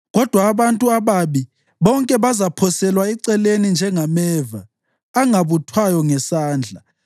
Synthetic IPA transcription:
ɣɔd̥ʱwaːβantʼuaβaβi | βɔŋkʼɛβazapʰɔsɛlwaɛǀɛlenind͡ʒʱɛŋamɛːvaː | ŋaβutʰwajɔŋɛsaːnd͡ɮʱa

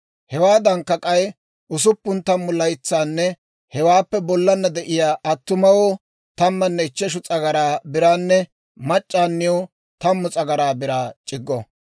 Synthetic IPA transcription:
hɛwaːd̪ɐŋkːɐkʼɐj | ʔʊs̬ʊpːʊnt̪ːɐmːʊlɐjɪt͡sːaːnːɛ | hɛwaːpːɛbɔlːɐnːɐd̪ɛʔɪjaːʔɐt̪ːʊmɐwo | t̪ɐmːɐnːɛɪt͡ʃːɛʃ̬ʊt͡sʼɐɡɐɾaːbɪɾaːnːɛ | mɐt͡ʃʼːaːnːɪjoː | t̪ɐmːʊt͡sʼɐɡɐɾaːbɪɾaːt͡ʃʼɪɡːɔ

